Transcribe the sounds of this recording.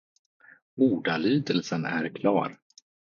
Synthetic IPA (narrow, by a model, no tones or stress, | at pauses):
uːɖalyːd̪əlsənæɾkʰlɑ̰ːɾ